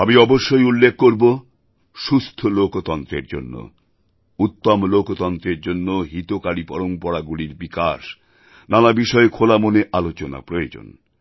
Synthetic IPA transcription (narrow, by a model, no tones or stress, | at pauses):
amiɔboʃːojulːekʰːkoɾbo | ʃust̪ʰolokot̪ɔnt̪ɾḛɾd͡ʑo̰nːo̰ | ut̪ːomlokot̪ɔnt̪ɾeɾd͡ʑonːoɦit̪okaɽipɔɾompɔɽaɡuliɾbikaʃ | nanabiʃɔekʰolamoneʔalot͡ɕona̰pɾojod͡ʑo̰n